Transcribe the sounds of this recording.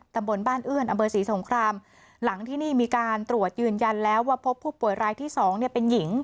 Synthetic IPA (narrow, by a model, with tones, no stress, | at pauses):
t̪a˧mbo˧nbaː˥˩nʔɯ˥˩ənʔa˧mpʰɤː˧siː˩˦so˩˦ŋkʰɾaː˧m | la˩˦ŋt̪ʰiː˥˩niː˥˩miː˧kaː˧nt̪ɾu˨˩ət̪̚jɯː˧nja˧nlɛː˦˥waː˥˩pʰo˦˥pʰːuː˥˩pu˨˩jɾaː˧jt̪ʰiː˥˩sɔː˩˦ŋni˥˩əpe˧nji˩˦ŋ